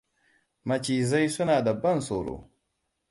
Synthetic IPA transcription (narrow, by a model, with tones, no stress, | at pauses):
ma˨t͡ʃi˨za˦jsu˦na˨da˨ba˦n˨so˨ɾo̰˨